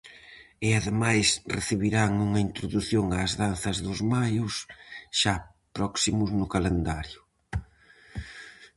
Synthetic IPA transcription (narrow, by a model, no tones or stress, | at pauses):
ɪaðemajsreθiβiɾaŋuŋɐint̪ɾʊðuθjoŋaːzðanθɐzðʊzmajʊsʃa | pɾɔksimʊznʊkalend̪aɾjʊ